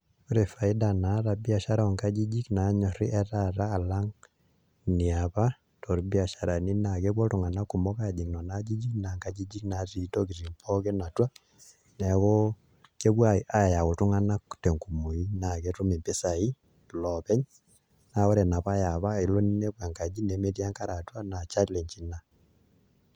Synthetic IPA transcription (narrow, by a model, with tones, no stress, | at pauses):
ɔ˦ɾe˨fa˨i˦danaɾa˨bi˦a˨ʃa˦ɾaɔ˨ŋka˦d͡ʒi˦d͡ʒi˦kna˨ɲɔ˨ɾi˦ʔɛ˦taɾaː˦˨la˦ŋ | ni˨aβa | tʰɔ˨ɾibia˨ʃa˨ɾa˨ni˦nakeβwɔ˦tu˨ŋa˨na˦ku˨mɔ˦kad͡ʒi˨knɔ˨nad͡ʒi˦d͡ʒi˦knaŋka˦d͡ʒi˦d͡ʒi˦knatitɔ˦ki˨ɾi˨mpʰɔ˦kɛ˦na˨twa˦ | nɛ˨kɔ˦ | ke˦βwa˦i˨ʔa˦˨ja˨ku˨tu˦ŋa˦na˦ku̥tɛ˨ŋku˨mu˨i˦na˨kɛ˦tu˦mi˨mpɛ˦sa˨i˦ | lɔ˨pɛ˦ɲ | na˨ɔ˦ɾɛ˨na˨pa˦ja˨βa˦i˨lɔ˦ni˦ne˦βwa˨ŋka˨d͡ʒi˦nɛ˨me˦ti˦a˦ŋka˦ɾa˨twa˦na˨t͡ʃa˦lɛ˨ɲd͡ʒi˨na˨